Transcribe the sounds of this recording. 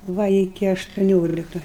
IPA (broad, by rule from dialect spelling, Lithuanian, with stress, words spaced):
ˈʋɐ ɪˈkʲɪ ɐʃtʊˈnʲoːlʲɪkɐ